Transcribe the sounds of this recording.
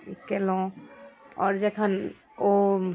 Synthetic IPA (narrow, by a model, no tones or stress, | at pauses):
ikɛlɔ̃ | ɔɾd͡ʒekʰan | o